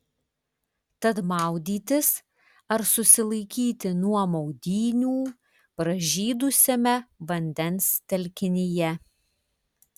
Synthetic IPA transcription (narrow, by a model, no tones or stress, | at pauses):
t̪ɐt̪mɑˑʊd̪ʲiːt̪ʲɪs | ɐɾsʊsʲɪlˠɐɪkʲiːt̪ʲɪnuɔmɔʊd̪ʲiːnʲuː | pɾɐʒʲiːd̪ʊsʲɛmʲɛʋɐnʲd̪ʲɛnst̪ʲɛlʲkʲɪnʲɪjɛ